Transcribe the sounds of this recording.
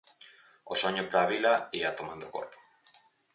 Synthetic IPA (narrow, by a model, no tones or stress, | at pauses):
osoɲopɾaːβilaiat̪omãnd̪oko̰ɾpo̥